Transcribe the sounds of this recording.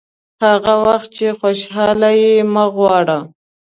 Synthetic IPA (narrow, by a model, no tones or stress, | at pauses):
haɣawaxt̪̚t͡ʃexoʃɦɑlajeməɣwɑɽa